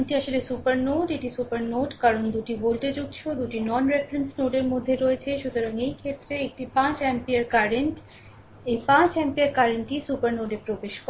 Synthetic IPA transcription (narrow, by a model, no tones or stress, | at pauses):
nʈiaʃolesupaɾnoʈeʈisupaɾnoɖkaɾond̪uʈibolʈ̪ed͡ʑuɡ̚t͡ɕʰod̪uʈinɔnɾefɾensnoɖeɾmod̪ʱːeɾoet͡ɕʰeʃut̪oɾaŋejkʰet̪ːɾeek̚ʈipãt͡ɕɛmpiaɾkaɾeɳʈ | ejpãt͡ɕɛmpiaɾkaɾeɳʈisupaɾnoɖepɾobeʃk